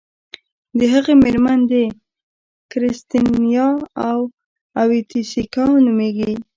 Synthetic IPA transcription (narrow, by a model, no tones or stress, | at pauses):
d̪əɦaɣemeɾmand̪e | kɾɪst̪injɑaw | awit̪isikɑnumeɡi